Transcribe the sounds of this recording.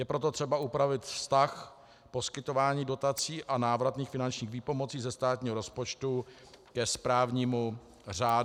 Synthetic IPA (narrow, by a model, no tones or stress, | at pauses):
jɛpɾo̞t̪o̞t̪r̥ɛbaʔupɾavɪt̪fst̪ax | po̞skɪt̪o̞vaːɲiːdo̞t̪at͡siːʔanaːvɾat̪niːxfɪnant͡ʃɲiːxviːpo̞mo̞t͡siːzɛst̪aːt̪̚ɲiːɦoɾo̞spot͡ʃt̪u | kɛspɾaːvɲiːmu | raːd